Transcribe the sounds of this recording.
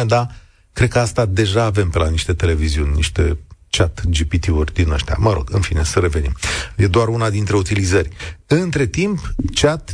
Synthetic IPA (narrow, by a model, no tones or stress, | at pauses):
ed̪a | kɾe̞d̪̚kəast̪ad̪e̞ʒaːve̞mpelaniʃt̪e̞t̪e̞le̞viziunʲnḭʃt̪e̞t͡ʃat̪d͡ʒipit̪iurʲd̪inaʃt̪ea̰məɾo̞̰ɡ̥ɨnfine̞səɾe̞ve̞nimje̞d̪oaɾunad̪int̪ɾe̞ut̪ilizərʲɨnt̪ɾe̞t̪impt͡ʃat̪